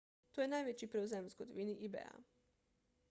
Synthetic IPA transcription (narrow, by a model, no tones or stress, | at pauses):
t̪ojenajʋet͡ɕipɾeuzemskod̪ʋiniʔibḛa̰